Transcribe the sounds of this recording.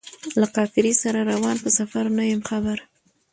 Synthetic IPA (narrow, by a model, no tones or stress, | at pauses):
laqɑfɪɾisaɾaɾawɑnpəsafaɾnəwemxabaɾ